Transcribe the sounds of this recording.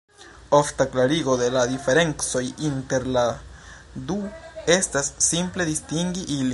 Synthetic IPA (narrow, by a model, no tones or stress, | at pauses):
oftaklaɾiɡo̞d̪e̞ladife̞ɾe̞ŋt͡so̞jinte̞ɾla | d̪ue̞stasːimple̞d̪istiŋɡiʔili